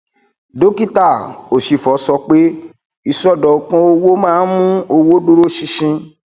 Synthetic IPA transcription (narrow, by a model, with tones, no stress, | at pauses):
do˨˦ki˦ta˦˨o˨ʃi˨fɔ˨˦sɔ˧˦k͡pe˦ | i˧˨sɔ˦dɔ˨˧˦kã˦o˦wo˦mãː˦n̩˦mũ˦o˧wo˦do˦ɾo˦ʃĩ˧ʃĩ˧